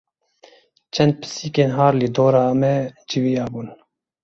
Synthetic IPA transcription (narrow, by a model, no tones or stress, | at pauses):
t͡ʃʰɛnd̪̚pʰɨ̥siːkeːnɦɑːɾlɨd̪oːɾɑːmɛd͡ʒivijɑːbuːn